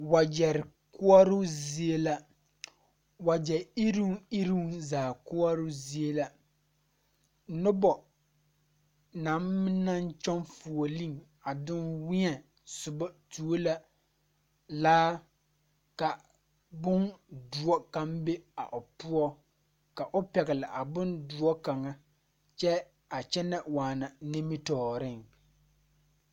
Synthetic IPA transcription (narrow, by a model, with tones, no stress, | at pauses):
wa˨d͡ʒɛ˨ɾɪ˨ | ku˦ɔ˦ɾʊ˦zi˦e˦la˦ | wa˨d͡ʒɛ˨i˦ɾu˦ɪ˦ɾu˦zaː˨ku˦ɔ˦ɾʊ˦zi˦e˦la˦ | nʊ˦bɔ˨ | na˨˦m˦m˦na˦nt͡ʃɔ˦nfu˨o˨li˦˨ŋ | a˨dɪ˦nwɪ˦ɛ˨ | sʊ˨bɔ˦tu˨˦o˦la˦ | laː˦ | ka˨ | bʊ˦ndʊ˨ɔ˦ka˦mbe˦a̰˨ʔʊ˨pʊ˦ɔ˦ | ka˨ʔʊ˦pɛ˨ɣɪ˨la˨ʔa˨bʊ˦ndʊ˨ɔ˦ka˨ŋa˦ | t͡ʃɛ˦ | a˨t͡ʃɛ˦nɛ˦waː˨na˨ne˦mi˦tɔː˨ɾɪ˦˨ŋ